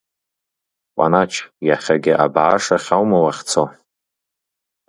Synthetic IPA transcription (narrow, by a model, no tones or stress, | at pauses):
qʷʼa̰nat͡ʃʰjaχʲaɡʲɪʔa̰bʕaʂaχʲawmawaχʲt͡sʰo